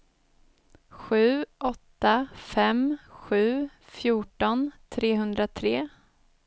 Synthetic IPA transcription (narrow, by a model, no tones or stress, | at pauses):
ɧʉ̟ːʔɔt̪ːafɛmɧʉ̟ː | fjuːʈɔnt̪ʰɾeːɦɵnd̪ɾat̪ʰɾeː